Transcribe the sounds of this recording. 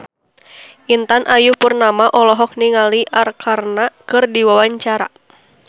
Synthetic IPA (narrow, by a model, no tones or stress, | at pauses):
ʔint̪anʔajupurnamaʔɔlɔɦɔk̚niŋaliʔarkʰarnakɨrdiwawaɲt͡ʃaɾa̰